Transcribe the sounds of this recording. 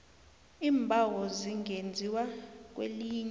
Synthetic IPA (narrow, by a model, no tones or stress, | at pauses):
iːmbʱawɔziŋend͡zʱiwak̬wḛliːɲ